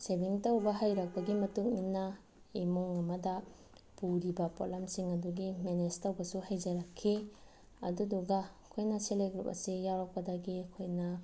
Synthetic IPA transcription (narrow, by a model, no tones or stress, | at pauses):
sebiŋtɐwbɐɦajɾɐk̚pɐɡimɐtuŋninːɐ | imuŋɐmɐdɐ | puɾibɐpo̰lamsiŋɐduɡimenestɐwbɐsuhajd͡ʒɐɾɐkʰːi | ɐ̰duduɡɐkʰojnɐseleɡɾupɐ̰sijawɾɐk̚pɐdɐɡikʰojnɐ